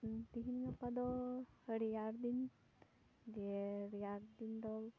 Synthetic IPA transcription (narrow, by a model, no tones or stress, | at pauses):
t̪iɦinɡapad̪ɔhəɽijaɾd̪in | d͡ʒeɾjaɾd̪ind̪ɔl